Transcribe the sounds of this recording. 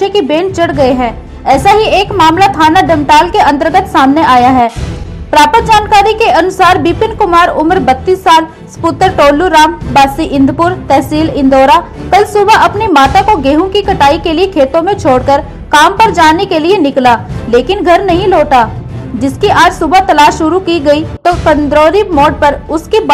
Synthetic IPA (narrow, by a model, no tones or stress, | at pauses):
ekibẽːnt͡ʃɐɽɡɐeɦɛ̃ː | ɛːsaɦieːkmaːmlat̪ʰaːnaɖɛ̃mʈaːlkeɐ̃nt̪̬əɾɡət̪saːmneʔaːjaɦɛːpɾaːpət̪̚d͡ʒaːnkaːɾikeɐnʊsaːɾbiːpɪnkʊmaːɾʊmɾbɐt̪ːiːsːaːl | spʊːt̪əɾʈoːlːuɾaːmbaːsiʔɪ̃nd̪ʱpʊɾt̪ɛːsiːlɪ̃nd̪oːɾakɐlsʊbaʔɐpnimaːt̪akoɡeːɦõkikɐʈaːikeliekʰeːt̪õmẽt͡ʃʰoːɽkəɾ | kaːmpɐɾd͡ʒaːnekelienɪklaːleːkɪnɡʱɐɾnɐɦĩloːʈaːd͡ʒɪskiʔaːd͡ʒsʊbət̪ɐlaːʃʃʊɾukiɡɐit̪okɐ̃nd̪ɾoːɾimoːɖ̚pɐɾʊskib